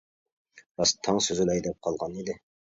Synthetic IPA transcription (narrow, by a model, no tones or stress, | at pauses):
ɾɑst̪ʰːɑŋsøzɪlɛjd̪ɛp̚qʰɑlˠʁɑnid̪ɪ